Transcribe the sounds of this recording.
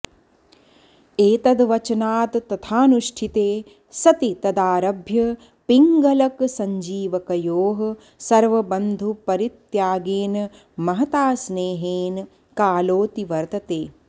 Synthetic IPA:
eːt̪ɐd̪ʋɐt͡ʃɐnaːt̪t̪ɐt̪ʰaːnuʃʈʰit̪eː | sɐt̪it̪ɐd̪aːɾɐbʱjɐ | piŋɡɐlɐksɐɲd͡ʒiːʋɐkɐjoːɦɐ̆ | sɐɾʋɐbɐnd̪ʱupɐɾit̪jaːɡeːn | mɐɦɐt̪aːsneːɦeːn | kaːloːt̪iʋɐɾt̪ɐt̪eː

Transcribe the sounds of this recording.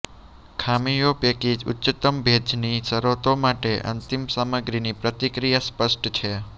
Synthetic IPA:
kʰamijopekid͡ʒʊ̰tːʃət̪əmbʱed͡ʒnisəɾot̪omaʈeʔə̰nt̪imsaməɡɾinipɾət̪ikɾijaspəsʈt͡ʃʰe

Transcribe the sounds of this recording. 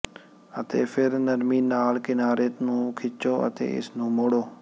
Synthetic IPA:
ət̪ḛːpʰɪɾnəɾmiːnaːlkɪnaːɾeːt̪nũːkʰɪt͡ʃoːə̰t̪ḛːɪ̰snũːmoːɽoː

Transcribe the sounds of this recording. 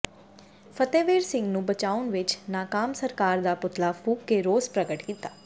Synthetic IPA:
pʰət̪eːʋeːɾsɪ̃ŋɡnũːbət͡ʃaːʊnʋɪt͡ʃnaːkaːmsəɾkaːɾd̪aːpʊt̪laːpʰuːkːeːɾoːspɾəɡəʈkiːt̪aː

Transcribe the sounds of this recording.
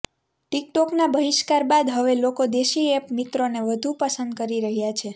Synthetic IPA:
ʈik̚ʈɔknabəɦiʃkaɾbad̪ɦəʋelokod̪eʃiepmit̪ɾoneʋəd̪ʱupəsənd̪̚kəɾiɾəɦjat͡ʃʰe

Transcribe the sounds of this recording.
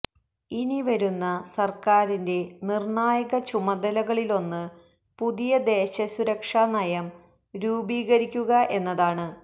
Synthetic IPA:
iniʋɐɾunːɐsɐrkaːɾinde̞nirɳaːjɐɣɐt͡ɕumɐd̪ɐlɐɣɐɭilo̞nːɨ | puðijɐd̪e̞ːɕɐsuɾɐkʂanɐjɐm | ɾuːbiːɣɐɾikʲːuɣɐʔe̞nːɐðaːɳɨ

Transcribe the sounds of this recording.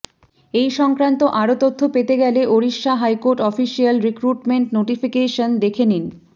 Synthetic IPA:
ejʃɔŋkɾant̪oʔaɾot̪ot̪ʰːopet̪eɡɛleʔoɾiʃːaɦajkoɾʈɔfiʃialɾikɾuʈmeɳʈnoʈifikeʃond̪ekʰenin

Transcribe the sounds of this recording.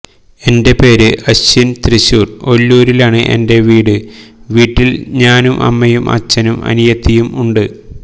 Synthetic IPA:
e̞nde̞pe̞ːɾɨʔɐɕint̪riɕuːro̞lːuːɾilaːɳɨʔe̞̰nde̞ʋiːɽɨʋiːʈːilɲaːnumʔɐ̰mːɐjumʔɐ̰t͡ɕːɐnumɐ̰nijɐt̪ʰːijumuɳɖɨ

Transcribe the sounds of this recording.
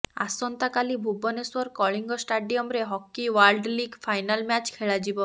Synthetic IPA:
a̰sɔnt̪akalibʱubɔneswɔɾkɔɭiŋɡɔsʈaɖiɔmɾeɦɔkːiwalɖliɡfʰajnalmat͡ʃkʰeɭad͡ʒibɔ

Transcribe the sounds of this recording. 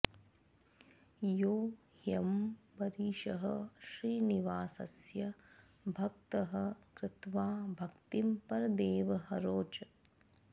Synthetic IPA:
joː | hjɐmbɐɾiːʃɐɦɐʃɾiːniʋaːsɐ̰sjɐ | bʱɐk̚t̪ɐɦɐkɾɪt̪ʋaːbʱɐkt̪impɐɾɐd̪eːʋɐɦɐɾoːt͡ʃɐ

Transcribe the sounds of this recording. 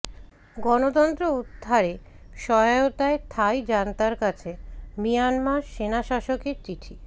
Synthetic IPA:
ɡɔnot̪ɔnt̪ɾoud̪ʱːaɾe | ʃɔjaot̪aet̪ʰajd͡ʑant̪aɾkat͡ɕʰemijanmaɾʃenaʃaʃokeɾt͡ɕiʈʰi

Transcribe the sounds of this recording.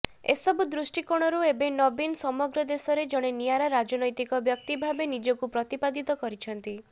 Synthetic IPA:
ḛsɔbud̪ɾusʈikoɽ̃ɔɾuebenɔbinsɔmɔɡɾɔd̪esɔɾed͡ʒɔɽ̃enijaɾaɾad͡ʒɔnɔjt̪ikɔbjɔk̚t̪ibʱabenid͡ʒɔkupɾɔt̪ipad̪it̪ɔkɔɾit͡ʃʰɔnt̪i

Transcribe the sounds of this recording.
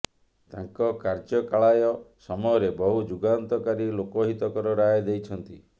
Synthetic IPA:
t̪aŋkɔkaɾd͡ʒɔkaɭajɔsɔmɔjɔɾebɔɦud͡ʒuɡant̪ɔkaɾilokɔɦit̪ɔkɔɾɔɾaed̪ejt͡ʃʰɔnt̪i

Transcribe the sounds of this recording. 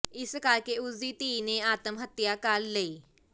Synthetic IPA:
ɪskaɾkeːʊsd̪iːt̪iːneaːt̪əmɦət̪jaːkalːeiː

